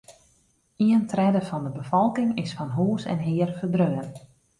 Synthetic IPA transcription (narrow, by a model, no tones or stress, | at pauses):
iəntrɛdəfɔndəbəfɔlˠkɪŋɪsfɔnɦuːsɛ̰nɦɪərfərdrøːən